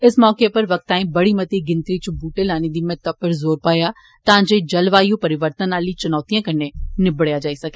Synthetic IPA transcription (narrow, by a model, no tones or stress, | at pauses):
ɪsmɔːkepɐɾʋɐk̚t̪ãːĩbɐɽimɐt̪iɡɪ̃nt̪ɾit͡ʃʊbuːʈelaːnĩd̪imẽt̪ɐpːəɾzoːɾpaːja | t̪ãːd͡ʒeid͡ʒɐlʋaːijũpɐɾɪʋəɾt̪ənaːlit͡ʃʊnɔːt̪ijãːkɐnenɪbɽjad͡ʒaːisɐkʰe